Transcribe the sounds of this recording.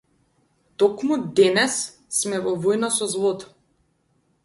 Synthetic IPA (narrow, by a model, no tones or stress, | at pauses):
t̪ɔkmud̪ɛnɛs | smɛvɔvɔjnasɔzlˠɔt̪ḁ